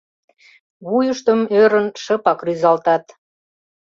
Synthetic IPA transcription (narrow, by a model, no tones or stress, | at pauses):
βujəʃt̪əmøɾənʃəpɑkryzɑlt̪ɑt̪